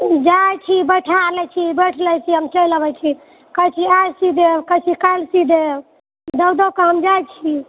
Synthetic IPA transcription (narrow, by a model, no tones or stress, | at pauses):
d͡ʒajt͡ʃʰibəʈʰalɛt͡ʃʰibəʈʰləjt͡ʃʰiɦəmt͡ʃəjləbɛt͡ʃʰi | kəjt͡ʃʰiajsid̪ewkət͡ʃʰikəlsid̪ew | d̪əd̪əwkəɦəmd͡ʒajt͡ʃʰi